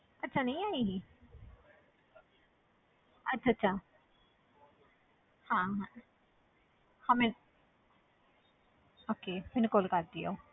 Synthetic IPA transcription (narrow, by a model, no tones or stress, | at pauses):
ətːʃʰaːnəĩːaːiːɦiː | ətːʃʰaːtːʃʰaː | hãːɦã | hãːmɛn | oːkeːmɪnkolkaɾd̪io̰ː